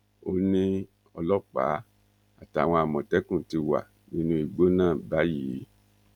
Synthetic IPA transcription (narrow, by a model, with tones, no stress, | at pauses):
o˦nĩ˦ | ɔ˧lɔ˦˨k͡pa̰˨˦ | a̰˨ta˨w̃ɔ̃˧a˨mɔ̃˨tɛ˨˦kũ˦˨ti˧wa̰˨ | nĩ˦nũ˧i˨ɡ͡bo˦nãː˦˨ba˨˦jiː˨˦